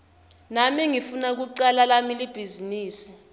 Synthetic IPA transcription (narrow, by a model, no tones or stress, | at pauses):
namiŋifunak̬uǀalalamilib̥ʱiziniːsi̥